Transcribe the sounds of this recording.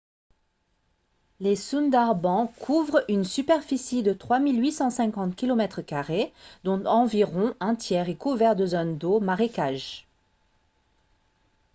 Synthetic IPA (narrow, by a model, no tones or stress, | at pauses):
lesund̪aʁbɑ̃kʰuvʁynsypɛʁfisid̪ət̪χwamilɥisɑ̃sɛ̃kɑ̃t̪kʲilɔmɛt̪χkaʁed̪ɔ̃t̪ɑ̃viʁɔ̃ɛ̃t̪jɛʁekuvɛʁd̪əzɔnd̪omaʁekaʒ